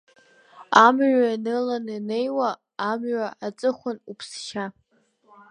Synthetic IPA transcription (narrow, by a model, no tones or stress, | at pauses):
amʕʷaanɨlanɨne̞jwaː | mɥʷaʔat͡sʼɨχʷʊnupʰsʃa